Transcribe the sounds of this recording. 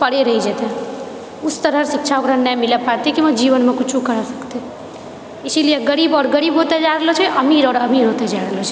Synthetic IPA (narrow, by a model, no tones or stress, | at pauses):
pəɽeɾəɦid͡ʒet̪ɛ | ust̪əɾəɾsik̚t͡ʃʰaokɾənɛmilepaɾt̪ikiməd͡ʒiʋənmekut͡ʃʰukəɾɔsəkt̪e | esilijeɡəɾibɔːɾɡəɾiːbɦot̪ed͡ʒaɾəlot͡ʃʰɛʔəmiɾɔːɾəmiɾɦot̪ed͡ʒaɾəɦlot͡ʃʰɛ̥